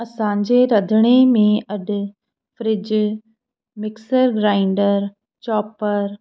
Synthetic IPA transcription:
ɐsãːɲd͡ʑeɾɐd̪ʱəɽ̃emẽɐɖ | fɾɪd͡ʑ | mɪksəɾɡɾaːɪɳɖəɾ | t͡ʃɔːpəɾ

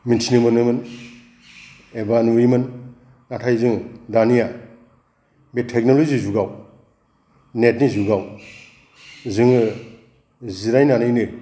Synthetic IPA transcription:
mintʰinɯmɯnɯmɯn | ebanuimɯn | natʰajzɯŋdanija | betʰek̚nolozizuɡaw | net̚nizuɡaw | zɯŋɯ | ziɾajnanɯjnɯ

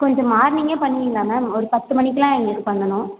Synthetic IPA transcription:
kɔɲd͡ʒɔ̃maːɾnɪŋɡeːpɐɳːɪiːŋɡaːnaːɔɾɯpɐt̪ːɯmɐnɪkːɐlãːɛŋɡɐnɯpɐɳːɐnʊ̃

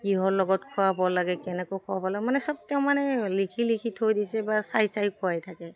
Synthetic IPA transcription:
kiɦɔɹlɔɡɔtkʰɔabɔlaɡɛkɛnɛkojkɔabɔlaɡɛmanɛsɔb̚tɛʊmanɛlikʰilikʰithojdisɛbasajsajkɔajtʰakɛ

